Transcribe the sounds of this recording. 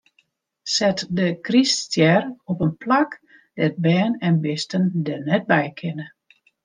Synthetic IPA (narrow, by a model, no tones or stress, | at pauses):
sɛtdəkristjɛrɔpənplak | d̥ɛt̚bɛːnɛnbɪstəndɛnɛt̚bɛjkʰɪnə